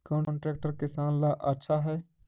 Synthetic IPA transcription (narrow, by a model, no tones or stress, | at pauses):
kɔ̃ːɳːɳʈɾɛːk̚ʈəɾkɪsaːnlaʔətːʃʰaɦɛː